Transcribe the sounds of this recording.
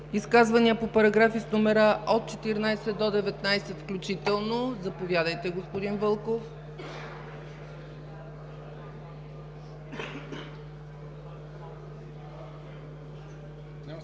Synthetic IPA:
iskazvɐniəpopɐɾɐɡɾafisnumɛɾəʔot̪̚t͡ʃɛt̪iɾnajsɛd̪od̪ɛvɛt̪najsɛt̪fklʲut͡ʃit̪ɛlˠnozɐpovʲjad̪əjt̪ɛɡospod̪invɤlˠkof

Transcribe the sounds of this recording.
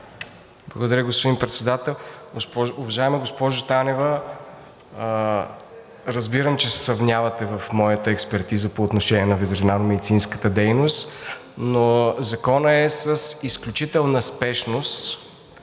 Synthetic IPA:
blˠɐɡod̪ɐɾʲəɡospod̪inpɾɛt̪sɛd̪at̪ɛlˠɡspɔʊvɐʒaɛmɛɡospɔʒot̪anɛvə | ɾɐzbiɾəmt͡ʃɛsɛ̥sɾɐvnʲjavɐt̪ɛvɐfmɔjət̪əɛkspɛɾt̪izəpoːt̪noʃɛnʲiɛnɐvɛd̪ɾinanomɛd̪it̪sinskə̥t̪əd̪ɛjnost̪ | nozɐkɔnəɛsəsisklʲut͡ʃit̪ɛlˠnəspɛʃnost̪

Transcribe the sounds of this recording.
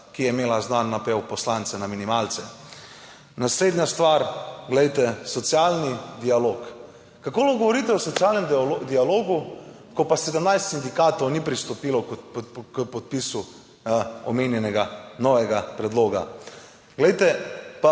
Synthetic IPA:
kijɛimeːlaznanːapɛwpɔslant̪sɛnaminimaːlt̪sɛ | nasleːd̪nʲjast̪ʋaɾɡlɛjt̪ɛsɔt̪sjalnid̪ialoːk | kakoːlɔɡɔʋɔɾiːt̪ɛɔsɔt̪sjaːlnɛmd̪ialoːɡu | kɔpasɛd̪əmnajst̪sind̪ikaːt̪ownipɾist̪ɔpiːlɔk̪kəpɔt̪̚pisu | ɔmeːnjɛnɛɡanɔʋɛɡapɾɛd̪loːɡa̰ | ɡlɛjt̪ɛpa

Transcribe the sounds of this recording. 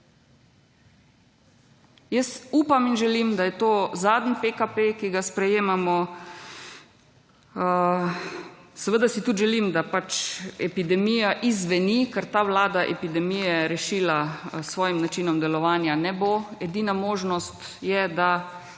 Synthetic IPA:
jəsuːpaminʒɛlimd̪ajɛt̪oːzaːd̪npekapekiɡaspɾɛjeːmamɔ | sɛʋəd̪asit̪ut̪ʒɛlimd̪apat͡ʃɛpid̪ɛmijaʔizʋɛnikəɾt̪aːʋlaːd̪aʔɛ̰pid̪ɛmijɛɾɛʃiːlasʋɔːjimnat͡ʃinɔmd̪ɛlɔʋaːnjanɛboɛd̪iːnamoːʒnɔst̪jɛd̪a

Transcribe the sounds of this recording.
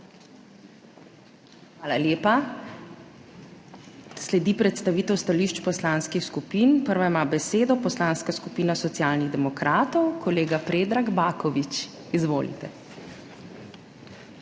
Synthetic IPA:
xʋaːlaljeːpa | slɛd̪iːpɾɛt̪st̪aʋiːt̪ɛwst̪aliʃt͡ʃpɔslaːnskixskupiːnpəɾʋaimaːbɛseːd̪ɔpɔslaːnskaskupiːnasɔt̪sjaːlniɣd̪ɛmɔkɾʔaːt̪ɔwkʰɔleːɡapɾeːd̪ɾaɡbaːkɔʋit͡ʃ | izʋoːlḭt̪ɛ

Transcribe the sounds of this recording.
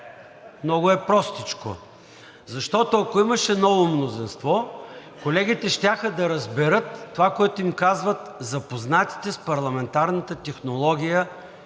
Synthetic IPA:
mnɔɡʊɛpɾɔst̪it͡ʃko̰ | zɐʃt̪ɔt̪oɐkoiməʃɛnɔvomnozinst̪vɔkolɛɡʲit̪ɛʃt̪ʲaxəd̪ɐɾɐzbɛɾɤt̪ːovakoɛt̪ʊimkazvət̪zɐpoznat̪i̥t̪ɛspɐɾlˠɐmɛnt̪aɾnət̪ət̪ɛxnolˠɔɡʲijə

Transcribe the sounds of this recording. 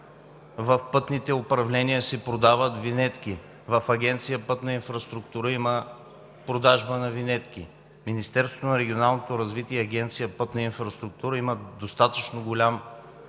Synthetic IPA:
vɐfpɤt̪nit̪ɛʊpɾɐvlɛniəsɛpɾod̪avət̪vinɛt̪k̟ʲi | vɐfɐɡʲɛnt̪sijəpɤt̪nɐinfɾɐst̪ɾʊkt̪uɾəimə | pɾod̪aʒbənɐvinɛt̪k̟ʲi | minist̪ɛɾst̪vot̪onɐɾɛɡʲionalˠnot̪oɾɐzvit̪iɛɐɡʲɛnt̪sijəpɤt̪nɐinfɾɐst̪ɾʊk̚t̪uɾəiməd̪ost̪at̪ət͡ʃnoɡolʲam

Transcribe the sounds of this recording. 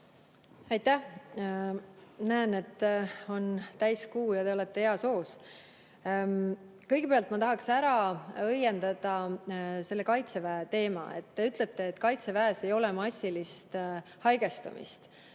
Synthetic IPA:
ɑjt̪ːæh | næːne̞t̪ːo̞nt̪æjskuːjɑt̪e̞o̞le̞t̪ːe̞heɑso̞ːs | kɤjɡ̥epe̞ɑlt̪ˑmɑt̪ɑɦɑksæɾɑɤje̞nd̪̥ɑd̪̥ɑse̞lːe̞kɑjt̪se̞væet̪e̞ːmɑ̰e̞̰t̪ːe̞yt̪ˑle̞t̪ːe̞ːt̪ːˑkɑjt̪se̞væese̞jo̞lɛmɑsʲːilist̪hɑjɡ̥e̞st̪ṵmḭst̪

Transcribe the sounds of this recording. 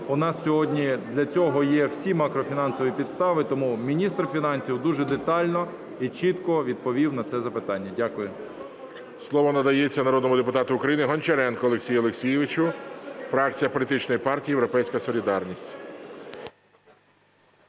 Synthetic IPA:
ʊnɑssʲɔɦɔdʲnʲid̪lʲɐt͡sʲɔɦɔjɛwsʲimɑkɾɔfʲinɑnsɔʋʲipʲid̪st̪ɑʋɪt̪ɔmumʲinʲist̪rfʲinɑnʲsʲiwd̪uʒɛd̪et̪ɑlʲnɔ | it͡ʃit̪kɔʋʲid̪̚pɔʋʲiwnɐt̪sɛzɐpɪt̪ɑnʲːɐdʲakʊjʊ | slˠɔʋɔnɐd̪ɐjet͡sʲːɐnɐɾɔd̪nɔmʊd̪epʊt̪ɑt̪ʊːkɾɐjinɪɦɔnʲt͡ʃeɾɛnkɔɔlˠeksʲijʊɔlˠeksʲijɪʋɪt͡ʃʊfɾɑk̚t͡sʲijɐpɔlʲit̪ɪt͡ʃnɔjipɑrtʲijːjewɾɔpɛjsʲkɐsɔlʲid̪ɑrnʲisʲtʲ

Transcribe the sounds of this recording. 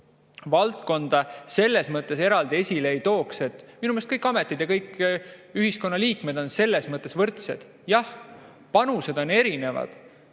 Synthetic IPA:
vɑlt̪ko̞nd̪̥ɑse̞lːe̞smɤt̪ˑːe̞se̞ɾɑld̪ie̞sʲileːjt̪o̞ːkset̪ːminumest̪kɤjkːˑɑme̞t̪ːˑid̪jɑkɤjkːyhisko̞nːɑliːkme̞d̪̥o̞nse̞lːe̞smɤt̪ːˑe̞svɤrt̪se̞d̪̥ | jɑh | pɑnuse̞d̪o̞ne̞ɾine̞vɑ̰d̪̥

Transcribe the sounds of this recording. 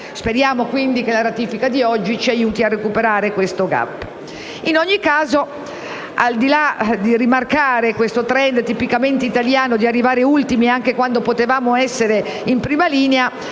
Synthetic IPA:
speɾjaːmokwind̪ikelaɾat̪iːfikad̪iɔd͡ʒːit͡ʃiajuːt̪iarːekupeɾaːɾekwest̪oɡa̰pː | inoɲːikːaːzo | ald̪ilad̪iɾimarkaːɾekwest̪ot̪ɾɛnd̪t̪ipikament̪eit̪aljaːnod̪iarːivaːɾeult̪imiaŋkekwand̪opot̪evaːmoɛsːeɾe | impɾiːmaliːnea

